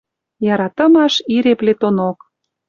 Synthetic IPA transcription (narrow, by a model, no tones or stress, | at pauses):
jɑɾɑt̪ə̆mɑʃiɾeplet̪onok